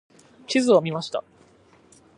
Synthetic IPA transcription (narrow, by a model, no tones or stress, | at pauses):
kʲizɨomʲimaɕi̥t̪a̰